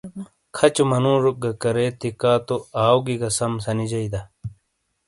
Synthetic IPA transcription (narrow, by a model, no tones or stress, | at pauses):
kʰɐt͡ɕumɐnũːʐuk̚ɡɐkɐɾet̪ikaːt̪oaːwɡiɡɐsɐmsɐnid͡ʑɐid̪ɐ